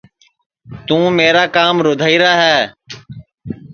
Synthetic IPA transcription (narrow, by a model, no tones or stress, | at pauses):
t̪ũːmeːɾaːkaːmɾoːd̪ʱaːiːɾaːɦɛː